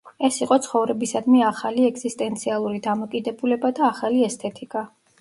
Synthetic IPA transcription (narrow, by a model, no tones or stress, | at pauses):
ɛsiqʼɔt̪sʰχɔvɾɛbisad̪miaχaliɛɡzist̪ʼɛnt̪sʰialˠuɾid̪amɔkʼid̪ɛbulɛbad̪aːχaliɛst̪ʰɛt̪ʰikʼa